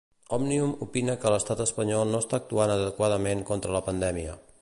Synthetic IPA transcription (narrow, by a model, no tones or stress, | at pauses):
ɔmniumupinəkələst̪at̪əspəɲɔlˠnoəst̪aːk̚t̪uanəðəkwað̞əmeŋkont̪ɾələpənd̪ɛmiə̰